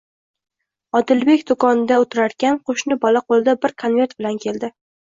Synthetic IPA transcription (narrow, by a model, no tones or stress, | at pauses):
ɒd̪ɪlbe̞kʲd̪okʰɒnɪd̪aot̪ʰɪɾaɾkʲanqʰoʃnɪbɒlaqʰolˠɪd̪abɪɾkʰonve̞ɾt̪bɪlankʲʰe̞ld̪ɪ